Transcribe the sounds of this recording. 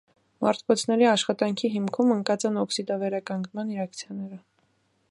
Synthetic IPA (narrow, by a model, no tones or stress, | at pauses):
mɑ̰ɾt̪ʰkɔt͡sʰnɛɾiɑʃχɑt̪ɑŋkʰiɦimkʰuməŋkɑt͡sɑnɔksid̪ɑvɛɾɑkɑŋɡnmɑniɾɑkt͡sʰjɑnɛɾə